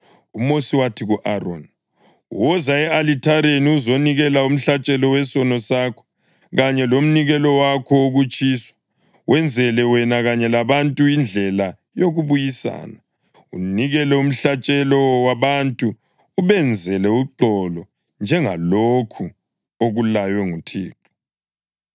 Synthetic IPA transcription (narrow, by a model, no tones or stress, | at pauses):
umosiwatʰiɣuʔarɔ̰n | wɔzaɛalitʰaɾeniuzoniɣɛlaum̩ɬat͡ʃʼɛlɔwɛsɔnɔsaːkʰɔ̥ | ɣaɲɛlom̩niɣɛlɔwakʰɔuɣut͡ʃʼiːswḁ | wʔɛnd͡zʱɛlɛwɛnaɣaɲɛlaβantʼuind͡ɮʱɛla | joɣuβujisa̰ːna | ṵniɣɛlɛum̩ɬat͡ʃʼɛlɔwaβantʼu | uβɛnd͡zʱɛlɛuǃɔlɔ | nd͡ʒʱɛŋa̰lokʰu | oɣulajwɛŋutʰḛːǁʰu̥